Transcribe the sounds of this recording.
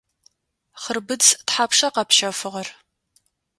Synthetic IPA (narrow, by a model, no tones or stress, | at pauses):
χərbɨd͡ztħaːpʂɐqɐpʰʃɐfɨʁɐr